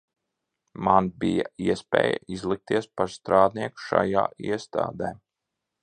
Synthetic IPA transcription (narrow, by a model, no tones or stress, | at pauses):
manbijaiɛspʲɛ̰ːja̰izlˠik̚t̪iɛspaɾst̪ɾaːd̪niɛku̥ʃa̰ja̰ːiɛst̪a̰ːd̪ɛː